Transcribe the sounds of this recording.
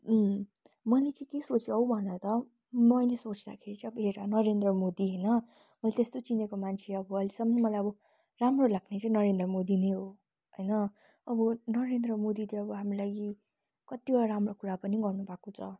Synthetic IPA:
mʌlet͡sʌ̃kesot͡siʌwbʱʌnʌt̪ʌ | mʌjlesot͡sd̪akʰeɾit͡sʌ̃ʌbʌɦeɾanʌɾend̪rʌmod̪iɦʌjnʌ | mʌlat̪est̪ot͡sinekomant͡sʰeʌbʌːlisʌmʌnmʌlajʌbʌ | ramrolaɡnet͡sʌ̃ĩnʌɾend̪rʌmod̪inejɦo | ɦʌjnʌ | ʌbʌnʌɾend̪rʌmod̪it̪iʌbʌɦamrolaɡi | kʌt̪iwʌɽaɾamrokuɾapʌniɡʌrnubʱakot͡sʰʌ

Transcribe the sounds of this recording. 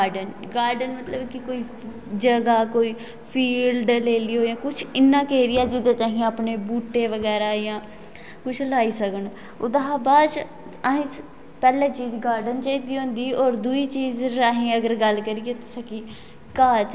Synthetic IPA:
ɖənɡaːɾɖənmət̪ləbkɪkoːiː | d͡ʒəɡaːkoːiː | pʰiːlɖleːliːɦoːjãːkʊt͡ʃʰɪnːãːkeːɾɪjaːd͡ʒɪd̪eːt͡ʃ̪aːɦĩaːpɳeːbuːʈːeːʋəɡɛːɾaːjãː | kʊt͡ʃʰlaːiːsəkəɳ | ʊ̰d̪əɦaːbaː | əɦĩː | pɛːlẽːt͡ʃiːzɡaːɾɖənt͡ʃaːiːd̪iːɦõːnd̪iːɔːɾd̪uiːt͡ʃiːzɾaːɦĩːəɡəɾɡəlkəɾiːet̪ːsəkiː | kaːt͡ʃ

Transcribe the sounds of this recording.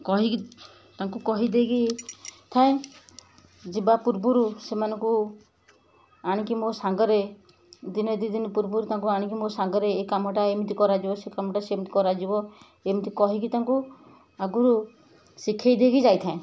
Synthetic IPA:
kɔɦiki | t̪aŋkukɔɦid̪eɡit̪ʰaẽ | d͡ʒibapuɾbuɾusemanɔŋku | aɽ̃ikimosaŋɡɔɾe | d̪ined̪id̪inpuɾbuɾut̪aŋkuaɽ̃ik̬imosaŋɡɔɾeːkamɔʈaemit̪ikɔɾad͡ʒibɔsekamɔʈasemit̪i̥kɔɾad͡ʒibɔ | emit̪ikɔɦikit̪aŋku | aɡuɾu | sikʰajd̪eɡid͡ʒajt̪ʰãẽ

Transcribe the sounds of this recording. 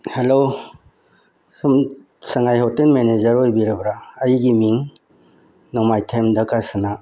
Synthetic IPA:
helo | sum | sɐŋajhawtenmened͡ʒɐɾojbiɾɐbɾaːjɡimiŋ | nɔmajtʰemdɐkasana

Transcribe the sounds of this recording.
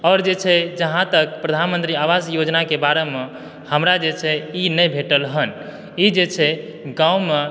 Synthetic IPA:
ɔːɾd͡ʒet͡ʃʰɛd͡ʒəɦãt̪ək̚pɾəd̪ʱanmənt̪ɾiaʋasjod͡ʒnakebaɾeme | həmɾad͡ʒet͡ʃʰɛinəjbʱeʈəlɦən | id͡ʒet͡ʃʰɛ | ɡãume

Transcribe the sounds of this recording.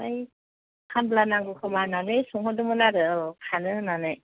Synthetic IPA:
aj | kʰamblanaŋɡɯkʰɯmananɯjsɔŋhɔdɯmɯnaɾɯkʰanɯnanɯj

